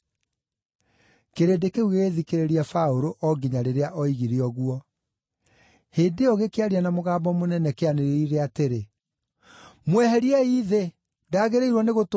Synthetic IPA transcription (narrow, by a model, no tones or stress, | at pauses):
keɾedekeuɣeɣeðikeɾeɾiafaoɾoʔɔɡiɲaɾeɾeaʔɔiɣiɾiɔɣwɔ | heːdeɔɣekeaɾianamoɣaːbɔmonɛnɛkeaneɾeiɾeateɾe | mwɛhɛɾiɛiðe | ndaːɣeɾeiɾwɔneɣot